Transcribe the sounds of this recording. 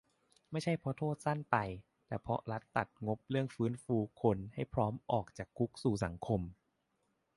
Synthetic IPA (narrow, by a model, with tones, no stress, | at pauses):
ma˥˩jt͡ɕʰa˥˩jpʰɔ˧˥t̪ʰoː˥˩t̪̚sa˥˩npa˧j | t̪ɛː˧˩pʰɔ˦˥ɾa˦˥t̪ːa˨˩t̪̚ŋo˦˥p̚ɾɯ˥˩əŋfɯː˦˥nfuː˧kʰo˧nha˥˩jpʰɾɔː˦˥mʔɔː˨˩k̚t͡ɕaː˨˩kʰːu˦˥k̚suː˨˩sa˩˦ŋkʰo˧m